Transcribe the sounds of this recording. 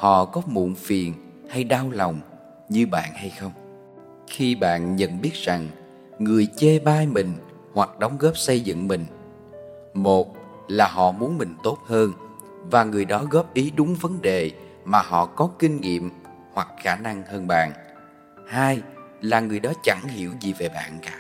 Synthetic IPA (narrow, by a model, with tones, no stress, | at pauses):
hɔ̰˧˨kɔ˨˦mṵ˧˨nfi˨˩ən | ha˧jɗaː˧wlɔ˨˩wŋ͡m | ɲɨ˧ɓa̰ː˧˨nha˧jxə˧wŋ͡m | xi˧ɓa̰ː˧˨nɲə̰˧˨nɓi˦˥ət̚z̥a˨˩ŋ | ŋɨ˨˩əjt͡ɕe˧ɓaː˧jmï˨˩ŋ̟ | hwa˨˩k̚ɗə˨˦wŋ͡mɣɔ˦˥p̚sə˧jzɨ̰˧˨ŋmï˨˩ŋ̟ | mo˨˩t̚ | laː˨˩ɦɔ̰˧˨mu˨˦ənmï˨˩ŋ̟t̪o˦˥t̚həː˧n | vaː˨˩ŋɨ˨˩əjɗɔ˨˦ɣɔ˦˥p̚ʔi˨˦ɗʊ˨˦ŋ͡mvə˨˦nɗe˨˩ | maː˨˩ɦɔ̰˧˨kɔ˨˦kï˧ŋ̟ŋḭ˧˨əm | hwa˨˩k̚xaː˧˩na˧ŋhəː˧nɓa̰ː˧˨n | haː˧jlaː˨˩ŋɨ˨˩əjɗɔ˨˦t͡ɕa˧˩ŋhi˧˩əwzi˨˩ve˨˩ɓa̰ː˧˨nkaː˨˦